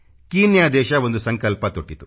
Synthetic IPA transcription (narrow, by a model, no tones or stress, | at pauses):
kiːnjaːd̪ɛːʃɐʋo̞nd̪usɐŋkɐlpɐt̪oʈːit̪u